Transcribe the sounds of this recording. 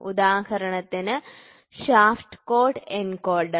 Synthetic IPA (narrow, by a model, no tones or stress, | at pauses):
ṵd̪aːhɐɾɐɳɐt̪ːinɨ | ɕaːfʈkoːʈenkoːɭɖ